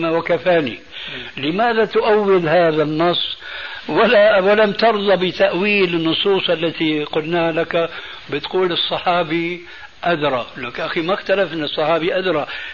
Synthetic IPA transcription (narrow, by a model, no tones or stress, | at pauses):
mawakafaːni | lɪmaːðat̪ʊʔawːɪlhaːðanːɑsˤːwalawalamt̪ɑɾðˤɑbɪt̪aʔwiːlɪnːʊsˤuːsˤʔalːat̪iqʊlnaːhalaka | bɪt̪quːlɨsˤːɑħɑːbi | ʔad̪ɾˤɑlakʔaximaxt̪alafʔɪnːɨsˤːɑħɑːbiʔad̪ɾˤɑ